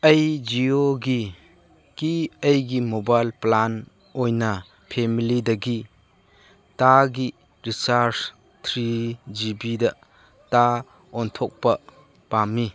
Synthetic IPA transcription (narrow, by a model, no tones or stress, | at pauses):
ɐjd͡ʒioɡi | kiɐjɡimobajlplan | ojnɐ | pʰemilidɐɡi | taɡi | ɾisaɾs | tʰɾid͡ʒibidɐ | ta | ɔntʰɔk̚pɐ | pamːi